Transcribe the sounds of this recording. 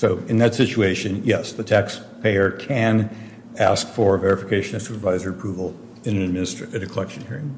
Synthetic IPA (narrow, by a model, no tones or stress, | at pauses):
soʊɨ̃nðɨtsɪt͡ʃueɪʃɨ̃njɛsðɨtʰæks | pʰeɪə˞kʰɨ̃n | æ̰skfə˞vɛɹɨfɨkʰeɪʃɨ̃nɨ̥supə˞vaɪzə˞əpʰɹ̥uvl̩ˠ | ɨ̃nɨ̃nɨd̚mɪ̃nɨstɹ̥ɨ̃ɾɨkʰəlɛkʃɨ̃nhiɹɪ̃ŋ